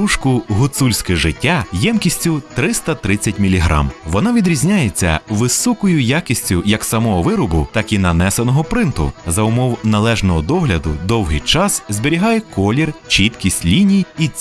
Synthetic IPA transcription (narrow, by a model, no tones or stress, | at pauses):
uʃkʊɦʊt̪sulʲsʲkɛʒɪtʲːajɛmkʲisʲtʲʊt̪ɾɪst̪ɐt̪ɾɪt͡sʲːɐtʲmʲilʲiɦɾɑ̰mʋɔnɑʋʲid̪ɾʲizʲnʲajet͡sʲːɐ̰ʋɪsɔkɔjʊjakʲisʲt͡sʲʊjɐksɐmɔɦɔʋɪɾʊbʊt̪ɑkinɐnɛsenɔɦɔpɾɪnt̪ʊ̰zɐʊmɔwnɐlˠɛʒnɔɦɔd̪ɔɦlʲɐd̪ʊd̪ɔwɦɪjt͡ʃɑszʲbeɾʲiɦɑjɛkɔlʲirt͡ʃit̪kʲisʲtʲlʲinʲiji